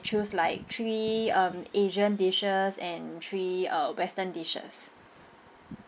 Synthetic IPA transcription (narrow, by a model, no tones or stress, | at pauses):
t͡ʃuslaɪk̚tʰɹiʌ̃meʒə̃ndeʃəsɛ̃ntʰɹiʌwɛstə̃ndeʃə̰s